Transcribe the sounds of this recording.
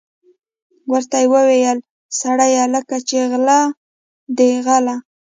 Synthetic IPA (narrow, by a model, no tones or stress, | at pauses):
wəɾt̪ajewəwejəl | saɽajaləkat͡ʃeɣla | d̪eɣala